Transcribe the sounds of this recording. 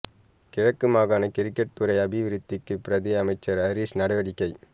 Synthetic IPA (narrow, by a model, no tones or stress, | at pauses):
kɪɻɐkːɯmaːɣaːnɐkɪɾɪkːɐʈ̚t̪ʊɾɐɪɐbɪʋɪɾɪt̪ːɪkːɯpɪɾɐðiɐmɐɪt͡ʃːɐɾɐɾisnɐɽɐʋɐɽɪkːɐɪ